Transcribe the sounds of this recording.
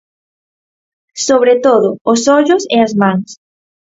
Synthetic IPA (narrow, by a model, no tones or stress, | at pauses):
soβɾet̪oðʊːsɔʎʊseɐzmãŋs